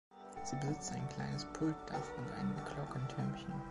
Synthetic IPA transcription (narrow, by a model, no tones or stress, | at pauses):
z̥iːbəzɪt͡staɪnkʰl̥a̰ɪnəspʰʊltd̥a̰fʊntʔa̰ɪnəmkʰl̥ɔkən̩tʰœɐmçn̩